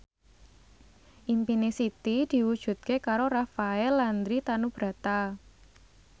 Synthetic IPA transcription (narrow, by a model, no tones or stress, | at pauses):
ʔimpinesit̪id̪̥i̤wud̥ʒ̥ṳt̪̚kekaɾorafaɛlːand̪ɾit̪anub̥ɾa̤t̪a